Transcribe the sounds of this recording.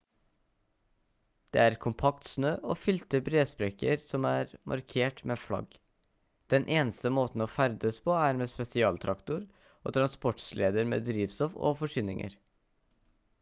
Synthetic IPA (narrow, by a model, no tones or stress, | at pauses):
d̪̥ḛːæːɾkʰʊmpʰɑkt̪snøːʔoːfʏlt̪əbɾeːspɾɛkəɾsɔmæːɾmʔɑ̰ɾkʰeːʈmeːflɑ̰ɡ | d̪̥ɛnʔeːnəst̪əmoːt̪n̩oːfæɾd̪əspʰɔːæːɾmɛːspɛsɪɑːlt̪ʰɾɑkt̪ʊɾ | o̰ːt̪ʰɾɑnspɔʈslʔeːd̪əɾmḛːd̪ɾiːʋst̪ɔfo̰ːfɔʂyːnɪŋʔə̰ɾ